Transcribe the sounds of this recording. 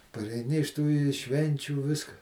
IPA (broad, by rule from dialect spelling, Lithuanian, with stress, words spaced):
pɐrʲɛɪˈnʲɪ ɪʃ tuː ɪ ˈʃʲʋʲɛnʲt͡ʃʲuː ˈʋʲɪskɐ